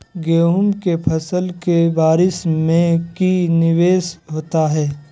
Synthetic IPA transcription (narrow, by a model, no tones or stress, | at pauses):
ɡeːɦʊmkepʰɐsəlkebaːɾɪsmẽkinɪʋeːsɦoːt̪aɦɛː